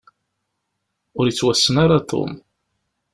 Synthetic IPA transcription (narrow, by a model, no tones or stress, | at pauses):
ʊɾjət͡sːwæsːənaɾat̪ˤʰo̰m